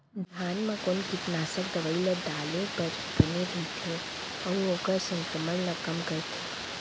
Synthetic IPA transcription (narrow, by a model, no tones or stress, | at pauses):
d̪ʱjaːnmẽkoːnkɪt̪naːsəkd̪əʋəɪled̪aːlepəɾ | bəneɾɛit̪ʰe | ɔːoːkəɾsə̃ŋkɾəmənnəkəmkəɾt̪ʰe